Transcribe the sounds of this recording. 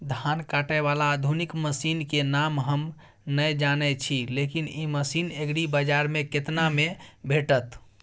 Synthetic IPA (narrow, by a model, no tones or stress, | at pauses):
d̪ʱankaʈəβalaːd̪ʱunikməsinkenamɦəm | nəjd͡ʒanɛt͡ʃʰilekiniməsineɡɽibəd͡ʒaɾmeket̪namebʱeʈət̪